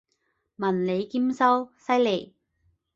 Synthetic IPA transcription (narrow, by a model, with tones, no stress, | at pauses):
mɐ˨˩nle˨˧jki˥msɐ˥wsɐ˥jle˨˩j